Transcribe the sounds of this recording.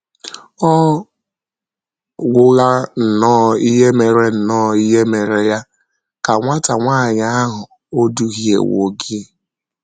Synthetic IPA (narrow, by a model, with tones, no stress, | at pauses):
ɔ˦ | ɡʷʊ˦ɣa˦n̩˨nɔː˦˨i˦ɦe˦me˨ɾe˦n̩˨nɔː˦i˦ɦe˦me˨ɾe˨ja˦ | ka˨ŋʷa˦ta˨ŋʷaː˦˨ɲa˦a˦ɦʊ˨ | o˦du˦ɦi˦ḛ˨wo̰˨ɡɪ˦